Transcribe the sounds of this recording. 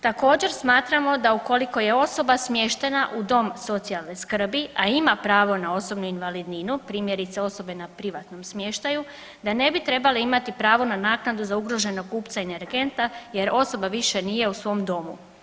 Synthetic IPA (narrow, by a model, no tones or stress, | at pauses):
t̪ako̞ːd͡ʑe̞ɾsmaːt̪ɾamo̞d̪auko̞liko̞je̞o̞so̞basmje̞ʃt̪e̞naʔud̪o̞mso̞t̪sialˠne̞skr̩biaimapɾaːʋo̞nao̞so̞bnuinʋalid̪ninupɾiːmjeɾit̪seo̞so̞be̞napɾiʋat̪no̞msmje̞ʃt̪aju | d̪ane̞bit̪ɾe̞baliimat̪ipɾaːʋo̞nanaːknad̪uzauɡɾo̞ʒe̞nokuːpt̪saeneɾɡe̞nt̪aje̞ɾo̞so̞baʋiʃe̞nije̞usʋo̞md̪o̞mṵ